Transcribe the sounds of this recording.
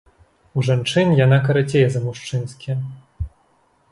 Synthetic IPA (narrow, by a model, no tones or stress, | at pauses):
uʐant͡ʂɨnʲjanakɐɾat͡sʲejɛzɐmuʂt͡ʂɨnskʲi